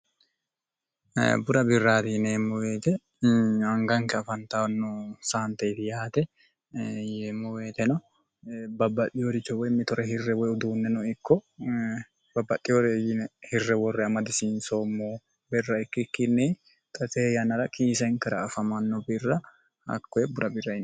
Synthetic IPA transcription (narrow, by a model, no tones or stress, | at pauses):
bʊd̪ɐbɪrːaːt̪ɪneːmːɔweːt̪ɛ | ɐŋɡɐŋkɛɐfɐnt̪anːɔsaːnt̪ɐjt̪ɪjaːt̪ɛ | jeːmːɔweːt̪ɛnɔ | bɐbːɐɗɪjoɾɪt͡ʃːɔwɔjmɪt̪ɔɾɛhɪrːɛwɔjʊd̪uːnːɛnɔɪkːɔ | bɐbːɐɗɪjoɾejɪnɛhɪrːɛwɔrːɛɐmɐd̪ɪsɪnsoːmːoː | bɛrːɐɪkːɪkːɪnːɛː | t̪ʼɐt̪eːjɐnɐɾɐkʼiːsɐɪŋkɐɾɐːfɐmɐnːɔbɪrːɐ | hɐ̰kːɔɛbʊɾɐbɪrːɐɪn